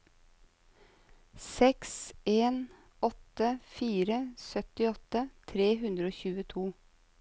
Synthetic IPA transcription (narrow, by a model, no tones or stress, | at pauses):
sɛkseːn | ɔt̪əfiːɾəsœt̪ɪɔt̪ət̪ʰɾeːɦʉnd̪ɾəoːçʉːət̪ʰuː